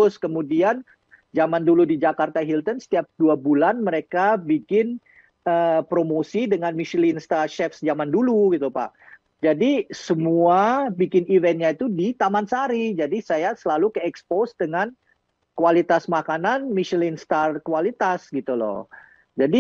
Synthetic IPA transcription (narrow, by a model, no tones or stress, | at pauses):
ʊskəmudian | d͡ʒamanduludid͡ʒakart̪aɦilt̪ənsə̥t̪iap̚duabulanməɾekabikɪn | əpɾomosidəŋanmiʃilɪnst̪aʃɛfsd͡ʒamanduluɡit̪upa̰ʔ | d͡ʒadisəmuabikɪnivɛnɲait̪udit̪amansaɾid͡ʒadisajasəlalukəɛksposdəŋan | kualit̪asmakananmiʃilɪnst̪arkualit̪asɡit̪ulɔ̰ | d͡ʒadi